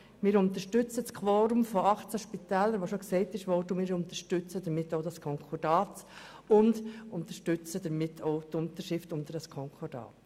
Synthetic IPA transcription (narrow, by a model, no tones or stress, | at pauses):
mɪːɾʊnt̪əʃtʏt͡sət͡skʰʋɔːɾumfɔɑχt͡səʃpitɛːlːəɾʋoʃoksɛɪtɪʃʋɔɾdəmɪːɾʊnt̪əʃtʏt͡sədəmɪtːoʊdɑskʰɔŋkʰɔd̥ɑːt͡s | ʊndʊnt̪əʃtʏt͡sədəɾmɪtʰːoʊtʊnt̪əʃɪftʊnd̪ədɑskʰɔŋkʰɔd̥ɑ̰ːt